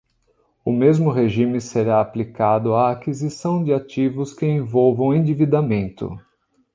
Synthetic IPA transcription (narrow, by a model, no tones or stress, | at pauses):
ʊmezmʊɦeʒimɪseɾaːplikad̪ʊaːkizisɐ̃w̃d͡ʒɪat͡ʃivʊskɪẽvowvɐ̃w̃ẽd͡ʒivid̪amẽnt̪ʊ̰